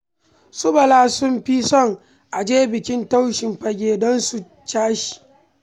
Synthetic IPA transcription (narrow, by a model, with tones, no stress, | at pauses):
sʊ˦bɐ˨laː˦sʊ˦mɸi˦sɔ˦˨ŋ | ʔa˨d͡ʒeː˦bɪ˨kʲɪ˦nta˦wʃɪ˨mɸɐ˨ɡʲeː˨dɔ˦nsu˨ | t͡ʃaː˦ʃi̥˨